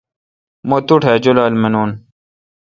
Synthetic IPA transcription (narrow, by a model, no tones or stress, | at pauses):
mot̪uʈʰɦɛːd͡ʑolaːlmenoːn